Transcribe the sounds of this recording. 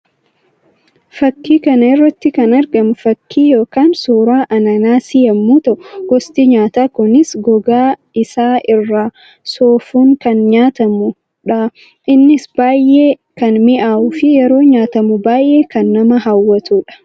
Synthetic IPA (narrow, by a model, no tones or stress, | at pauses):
fɐkːiːkɐnɐɛrːɐt̪ːɪkɐnɐɾɡɐmʊfɐkːiːjo̞ːkaːnsoːɾaːʔɐnɐnaːsɪjɐmːuːt̪ɐʔɡ̥ɔst̪iːɲaːt̪aːkʊnɪsɡɔɡaː | ɪsaːʔɪrːaː | soːfuːŋkɐnɲaːt̪ɐmʊ | ᶑɐ | ɪnːɪsb̥aːjʔeː | kɐnmɪʔaːʔufɪjɛɾo̞ːɲaːt̪ɐmʊbaːjʔe̞ːkɐnːɐmɐɦɐwːɐt̪uːᶑɐ̥